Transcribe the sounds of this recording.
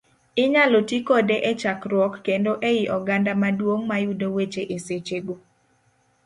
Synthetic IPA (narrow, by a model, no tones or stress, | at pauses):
ɪɲalotikodeʔɛt͡ʃakɾwɔkːendoʔejiʔɔɡandamadwoŋmajudowet͡ʃeʔeset͡ʃeɡo